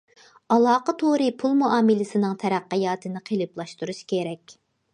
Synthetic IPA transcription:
ɑlˠɑːqət̪ʰoɾɨpʰulˠmuɑːmɪlɪsɪnɨŋt̪ʰɛɾæqːɨjɑːt̪ʰɨnɪqʰelˠɨplˠɑʃt̪uɾuʃkʲeɾɛkʲ

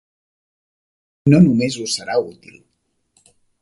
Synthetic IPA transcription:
nonumezusəɾaut̪ḭlˠ

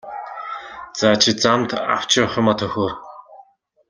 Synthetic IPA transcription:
t͡saːt͡ɕʰit͡samt̪a̰w̥t͡ɕɪ̆ʊχʲɪ̆mɔt̪ʰɵxoːr

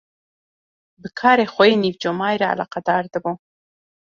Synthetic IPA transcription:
bəkʰɑːɾexʷoinivd͡ʒomɑːjɾaa̰lɑ̰ːqɑd̪ɑːɾd̪əbu

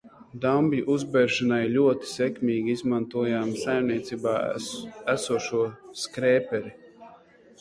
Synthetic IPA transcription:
d̪ambʲiʔuzbɛɾʃanajlʲuɔt̪i̥sʲɛkʲmʲiːɡʲiizmant̪uɔjaːmsajmniɛt̪siːbaːæsuɔʃuɔskɾɛːpɛɾi

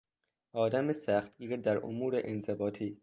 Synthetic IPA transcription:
ʔɒːd̪æmesæːxt̪̚ɡiːɾd̪æɾʔo̰muːɾeʔenzebɒːt̪ʰiː

